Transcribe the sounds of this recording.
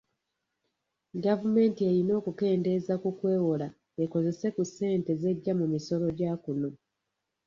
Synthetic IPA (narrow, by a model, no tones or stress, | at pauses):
ɡavume̞ːntie̞ɾino̞ːkuke̞ːnde̞zakukwe̞ːwola | eko̞ze̞se̞kuse̞ːnte̞ze̞ɟːamumiso̞lo̞ɟaːkuno̞